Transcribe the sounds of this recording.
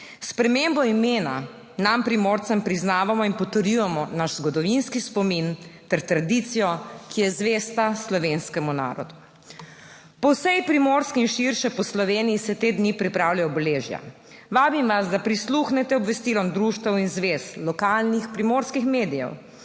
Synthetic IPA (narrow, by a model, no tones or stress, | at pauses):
spɾɛmembɔimeːna̰ | nampɾimoːɾt̪sɛmpɾiznaːʋamɔinpɔt̪əɾjujɛmɔnaʃzɡɔd̪ɔʋinskispɔmint̪ɛɾt̪ɾad̪it̪sijɔkijɛzʋeːst̪aslɔʋeːnskɛmuna̰ːɾɔ̰d̪u | pɔwsɛjpɾimoɾskɛinʃiɾʃɛpɔslɔʋeːnijisɛt̪eːd̪nipɾipɾawlʲajɔbɛleʒja̰ | ʋaːbimʋazd̪apɾisluxnɛt̪ɛɔbʋɛst̪ilɔnd̪ɾuʃt̪awinzʋeːslɔkalnixpɾimoːɾskixmeːd̪ijɛ̰w